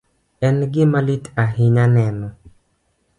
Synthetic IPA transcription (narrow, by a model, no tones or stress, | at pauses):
ɛnɡɪmalit̪aɦɪɲanɛnɔ